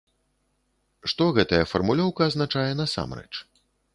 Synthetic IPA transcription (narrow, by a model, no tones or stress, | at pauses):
ʂt̪ɔɣɛt̪ɐjɐfɐrmulʲɔwkɐːznat͡ʂajɛnɐsa̰mrɛ̰t͡ʂ